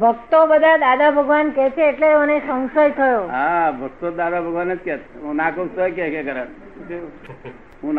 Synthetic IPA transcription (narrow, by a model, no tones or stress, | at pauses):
bʱəkt̪obəd̪ʱad̪ad̪abʱəɡʋankɛt͡ʃʰeːʈleonesə̃w̃səjt̪ʰəjoɦabʱək̚t̪od̪ad̪abʱəɡʋanet͡ʃkɛt̪ɦũnakoksəjkɛkɛkəɾaɽ | ɦũn